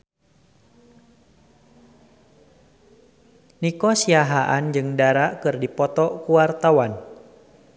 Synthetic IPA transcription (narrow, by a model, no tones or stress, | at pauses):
nikɔsiaɦaʔand͡ʒɨŋdaɾaʔkɨrdipɔt̪ɔkuwart̪awan